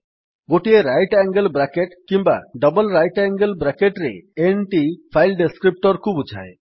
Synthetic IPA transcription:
ɡoʈieɾajʈɛŋɡelbɾakeʈkiŋba̰ɖɔbɔlɾajʈɛŋɡəlbɾakeʈɾḛenʈipʰajlɖeskɾip̚ʈɔɾkʰubud͡ʒʱa̰e

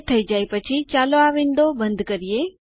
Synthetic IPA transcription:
t̪ʰəid͡ʒaipət͡ʃʰit͡ʃaloaʋɪ̃nd̪obə̃nd̪ʱkəɾije

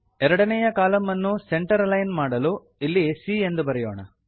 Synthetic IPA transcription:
ɛɾɐɽɐnɛjɐkaːlɐmːɐnːuseɳʈɐɾlɐjnmaːɽɐlu | ilːisiːend̪ubɐɾɛjoːɳɐ

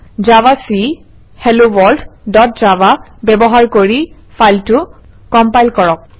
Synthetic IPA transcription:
zawasi | hɛlobɔlddɔt̚zawa | bɛbɔɦaɹkoɹi | faltʊ | kɔmpajlkɔɹɔk̚

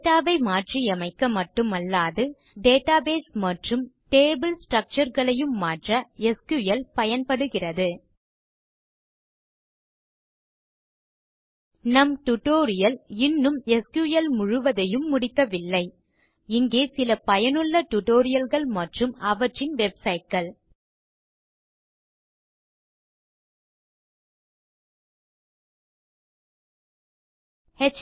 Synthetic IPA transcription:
ʈaːʋɐɪmaːʈriɐmɐɪkːɐmɐʈːɯmɐlːaːðɯ | ɖeːʈaːbeːsmɐʈrɯmʈeːbɪlsʈrɐk̚t͡ʃɐɾɣɐɭɐjɯmːaːʈrɐɛskjuːjɐlpɐjɐnpɐɽɯɣɪrɐðɯ | nɐmʈʊʈoːɾɪjɐlɪnːɯmɛskjuːjɐlmʊɻʊʋɐðɐjɯmːʊɽɪkːɐʋɪlːɐɪ | ɪŋɡeːsɪlɐpɐjɐnɯɭːɐʈʊʈoːɾɪjɐlɣɐɭmɐʈrɯmɐʋɐʈrɪnʋɛbsɐɪʈ̚ɡɐɭ | hɛt͡ʃ

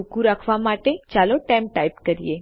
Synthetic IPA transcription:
ukũɾakʰʋamaʈet͡ʃaloʈamʈajpkəɾije

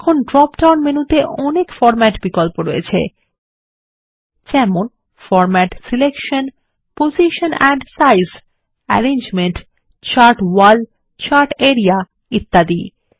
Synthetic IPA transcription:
ɛkʰonɖɾɔpʈawnmenut̪eʔɔnekfɔɾmɛʈbikolpoɾoet͡ɕʰḛ | d͡ʑɛmon | fɔɾmɛʈsilekʃon | poziʃonɛɳɖsajs | ɛ̰ɾend͡ʑmenʈ | t͡ɕaɾʈwal | t͡ɕaɾʈeɾija | it̪ːad̪i

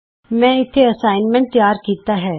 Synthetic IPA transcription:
mɛ̃ɪt̪ʰeɐsaːɪnmɛ̃ɳʈ̚t̪jaːɾkiːt̪aɦɛː

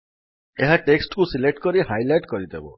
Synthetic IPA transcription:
eɦaʈeksʈkusilek̚ʈkɔɾihajlajʈkɔɾid̪ʱebɔ̰

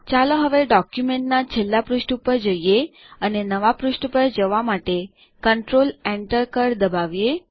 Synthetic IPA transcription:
t͡ʃaloɦəʋeɖɔkjumeɳʈnat͡ʃʰelːapɾuʃʈupəɾd͡ʒəije | ənenəʋapɾuʃʈəpəɾd͡ʒəʋamaʈe | kəɳʈɾoleɳʈəɾkəɾd̪əbaʋje

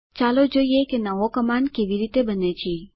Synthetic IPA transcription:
t͡ʃalod͡ʒoiekenəʋokəmankeʋiɾit̪ebənet͡ʃʰe

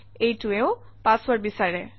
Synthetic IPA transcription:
ejtʊeʊ | pãswaɹbisaɹɛ

